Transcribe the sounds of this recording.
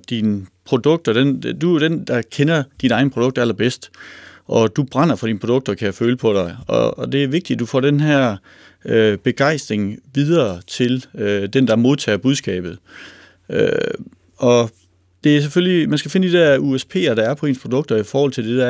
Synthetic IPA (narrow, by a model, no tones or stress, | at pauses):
d̥inpʰʁo̝d̥ɔ̽ɡ̥̚d̥ɒd̥end̥uɾ̥end̥ɑ̈kʰenɐd̥inɑ̈ɪn̩pʰʁo̝dɔ̽ɡ̥̚d̥æl̰ɐb̥esd̥ʔɒ̽d̥ub̥ʁɑ̈n̰ɐfɒ̽ɾ̥iːnpʰʁod̥ɔ̽ɡ̥̚d̥ɒkʰæjæføːləpʰɒ̽ɾ̥ɑ̈ɪɒd̥e̝æɐʋe̝ɡ̥̚d̥iæ̥ufɒ̰ːd̥enɦæɐ̰ | øb̥e̝ɡ̥ɑ̈ɪsd̥ʁeŋʋið̞ˠɐːt͡sʰe̝lød̥end̥ɑ̈mo̝ðˠt͡sʰɛ̰ːɐb̥uðˠsɡ̥ɛ̰ːb̥ð̞̩ˠ | ø | ʔɒ̽ | d̥e̝æɐs̬efølimænsɡ̥æfe̝nəd̥id̥æɐuespʰe̝̰ːɐɾ̥ɑ̈æɐpʰɒ̽e̝̰ːnspʰʁo̝d̥ɔ̽ɡ̥̚d̥ɐifɒːhɒ̽l̰t͡sʰe̝lde̝̥æɐ